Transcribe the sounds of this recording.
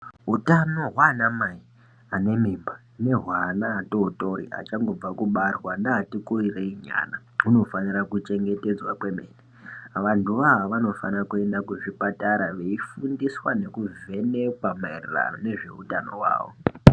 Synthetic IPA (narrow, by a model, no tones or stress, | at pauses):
ɦutano̞ɦwanamai | ane̞miːmba | ne̞ɦwanaːto̞uto̞ɾḭa̰t͡ʃaŋɡo̞b͡vakuɓarwandaːtikuireiɲa̰ːna | uno̞fanirakut͡ʃe̞ŋɡe̞te̞d͡zwakwe̞meːni | ʋantʰuʋaʋaʋano̞fa̰nrakue̞ndakuʐipataɾaʋe̞ifundiswane̞kuve̞ne̞kwamairira̰ne̞ʐe̞̰ṵtano̞̰ɦwa̰ːʋo̰